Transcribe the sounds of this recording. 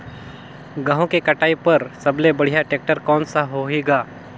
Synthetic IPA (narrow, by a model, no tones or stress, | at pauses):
ɡaːɦũkekɐʈaːipɐɾsɐblebɐɽ̤ijaʈeːk̚ʈəɾkɔːnsaɦoɦeːɡaː